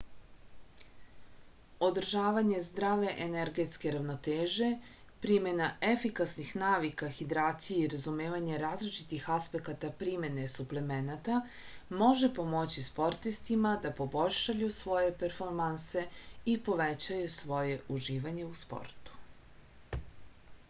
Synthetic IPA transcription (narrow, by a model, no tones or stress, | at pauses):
o̞d̪r̩ʒaːʋaɲe̞zd̪ɾaʋe̞ʔeneɾɡe̞t̪ske̞ɾaʋno̞t̪eːʒe̞ | pɾime̞naefikasnixnaːʋikaxid̪ɾaːt̪sijeiɾazumeːʋaɲe̞ɾaːzlit͡ʃit̪ixaspe̞kat̪apɾime̞ne̞suplemenat̪a | mo̞ʒe̞po̞mo̞t͡ɕispo̞ɾt̪ist̪imad̪apo̞bo̞ʎʲʃajusʋo̞je̞peɾfo̞ɾmanse̞ipo̞ʋet͡ɕajusʋo̞je̞uʒiːʋaɲe̞uspo̰ɾt̪u̥